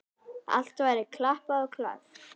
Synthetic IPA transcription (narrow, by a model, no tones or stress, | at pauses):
a̰l̥t̪vajɾɪkʰlahpaðɔkʰla̰θ